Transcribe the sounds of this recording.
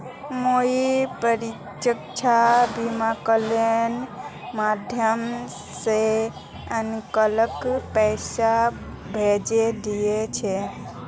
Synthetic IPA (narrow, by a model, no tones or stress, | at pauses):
moipəɾi | t͡ʃəkt͡ʃʰabimakəlen | mad̪ʱjəm | se | ənkələkpɛɪsa | bʱed͡ʒed̪ijet͡ʃʰɛ